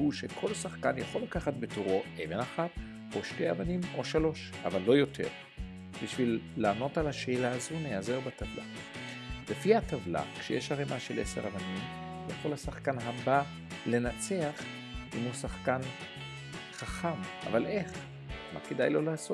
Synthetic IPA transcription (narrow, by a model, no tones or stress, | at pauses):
huʃe̞kʰo̞lsaχkanjaχo̞lakaχatbe̞tuʁo̞evenaχat | o̞ʃte̞javanimo̞ʃalo̞ʃ | a̰valːo̞jo̞tʰe̞̰ʁ | b̥iʃvilːaːno̞talhaʃe̞ːlaːzunejazeubatavla̰ | lefihatavla̰kʃejeʃhaʁemʔaʃelʔe̞̰se̞̰ʁa̰vanim | leχo̞lhasaχkanɦaba | le̞nat͡se̞aχ | imusaχkan | χaχama̰valʔe̞χ | ma̰kedajlo̞laːsot